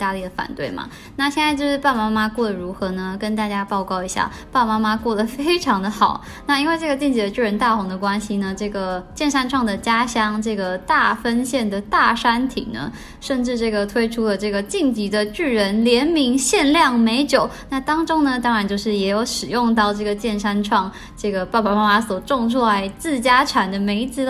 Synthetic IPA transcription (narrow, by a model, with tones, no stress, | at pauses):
t̪a˥˧li˥˩ə˩fa̰˨˩nt̪we˥˩ɪmɐ̰˩a˥˩ɕjɛ˥˧nt͡sa˥˧ɪt͡ɕjʊʂɻ̩˥˧pa˥˧˩ma˥ma˥kwɔ˥˩d̪ə˩ɻu˧˥xɤ˧˥nə˧kə˥nt̪a˥˩t͡ɕja˥pɑ˥˧ʊkɑ˥˩ʊi˧˥ɕja̰˥˩ | pa˥˩ma˥ma˥kwɔ˥˩d̪ə˩fe˥ɪʈ͡ʂʰɑ˧˥ŋd̪ə˧xɑ˨˩˦ʊ | na˥˧i˥nwe˥˧ɪʈ͡ʂɤ˥˩ɡə˩t͡ɕi˥˩ŋt͡ɕi˧˥d̪ə˧ʈ͡ʂɻ̩y˥˩ɻə˧˥nt̪a˥˩xʊ˧˥ŋd̪ə˧˨kwa˥nɕi˨nə˩ʈ͡ʂɤ˥˩ɡə˩t͡ɕjɛ˥˩nʂa˥nʈ͡ʂʰwɑ˥˩ŋd̪ə˩t͡ɕja˥ɕjɑ˥ŋʈ͡ʂɤ˥˩ɡə˩t̪a˥˩fə˥nɕjɛ˥˩nd̪ə˩t̪a˥˩ʂa˥nt̪ʰḭ˨˩ŋnə̰˦ | ʂə˥˧nʈ͡ʂɻ̩˥˧ʈ͡ʂɤ˥˩ɡə˩t̪ʰwe˥ɪʈ͡ʂʰu˥lə˨ʈ͡ʂɤ˥˩ɡə˩t͡ɕi˥˩ŋt͡ɕi˧˥d̪ə˧ʈ͡ʂy˥˩ɻə˧˥nljɛ˧˥nmi˧˥ŋɕjɛ˥˧nljɑ˥˩ŋme˧˥ɪt͡ɕjo˨˩˦ʊna˥˩t̪ɑ˥ŋʈ͡ʂʊ˥ŋnə˨t̪ɑ˥ŋɻa˨˧˥nt͡ɕjo˥˧ʊʂɻ̩˥˩jɛ˧˥jo˧˥ʊʂɻ̩˨˩jʊ˥˧ŋt̪̬ɑ˥˧ʊʈ͡ʂɤ˥˩ɡə˩t͡ɕjɛ˥˩nʂa˥nʈ͡ʂʰwɑ˥˩ŋ | ʈ͡ʂɤ˥˩ɡə˩ppa˨˩ma˥ma˥swɔ˨˩ʈ͡ʂʊ˥˧ŋʂ̬wɔ˥˩a˧˩ɪt͡sɹ̩˥˩t͡ɕja˥ʈ͡ʂʰa˨˩nd̪ə˩me˧˥ɪt͡sɹ̩˥